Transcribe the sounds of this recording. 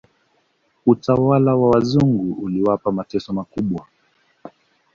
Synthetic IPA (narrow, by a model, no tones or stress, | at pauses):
utawalawawazuŋɡuʔuliwapamatɛsɔmakuɓwa